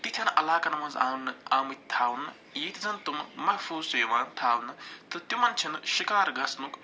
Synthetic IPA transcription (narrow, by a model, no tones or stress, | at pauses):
t̪it̪ʰjɐnʔɐlaːkɐnɐmɐnzaːnaːmit̪ʰaːwnɨ | jet̪ʰizɐnt̪ummɐhfʰuːzeːmaːnt̪ʰaːwnɨt̪ɨt̪jumɐnt͡ʃʰinʃikaːɾɡɐsnuk